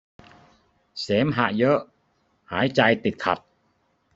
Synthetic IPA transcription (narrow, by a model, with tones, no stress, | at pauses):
seː˨˦mɦa̰˧˩ʔjɤ˦˥ʔ | haː˩˦jt͡ɕa˧jt̪i˨˩t̪̚kʰa̰˨˩t̪̚